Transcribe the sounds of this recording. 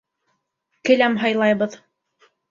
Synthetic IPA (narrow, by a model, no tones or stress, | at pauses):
kɘ̆læmɦɑjlˠɑjbɤð